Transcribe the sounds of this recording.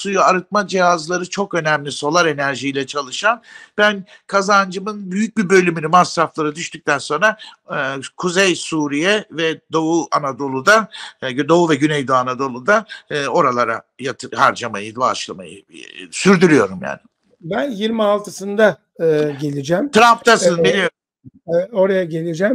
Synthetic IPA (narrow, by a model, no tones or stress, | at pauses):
sujuaɾɯt̪̚mad͡ʒijazlˠaɾɯt͡ʃʰo̞kø̞næmlʲiso̞lˠaɾe̞næɾʒijlʲɛt͡ʃʰalˠɯʃanb̥æn | kʰazand͡ʒɯmɯnbyjyc̚bibø̞lʲymynymasɾaflˠaɾɯd̪yʃt̪ʰyc̚ʲt̪ʰænso̞nɾa | kʰuzejsuːɾijɛvɛd̪o̞uanad̪o̞lˠud̪ad̪o̞uvɛɟynɛjd̪oanad̪o̞lˠud̪aːo̞ɾalˠaɾa̰jat̪ʰhaɾd͡ʒamajɯba̰ʃlˠama̰jɯ̰syɾd̪yɾyjo̞ɾumja̰ːnɪ | bænjiɾmialˠt̪ʰɯsɯnd̪a | ɯːɟe̞lʲid͡ʒæmt̪ʰɾaɱft̪asɯnbilʲij | oɾajaɟe̞lʲid͡ʒæm